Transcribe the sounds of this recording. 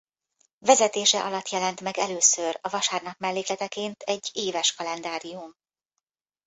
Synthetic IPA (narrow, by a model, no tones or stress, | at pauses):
vɛzɛt̪eːʃɛʔɒlɒt̪jɛlɛnt̪mɛɡɛløːsørɒvɒʃaːrnɒkmɛlːeːklɛt̪ɛkeːnt̪ɛɟːeːvɛʃkɒlɛnd̪aːɾijum